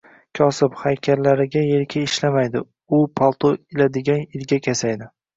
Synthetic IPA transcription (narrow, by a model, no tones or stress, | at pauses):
kʲʰɒsɪphajkʲʰaɾlaɾɪɡʲajeɾkʲʰaɪʃlamajd̪ɪ | ʊpʰalˠt̪ʰoɪlad̪ɪɡʲanɪlɡʲakʲʰasajd̪ɪ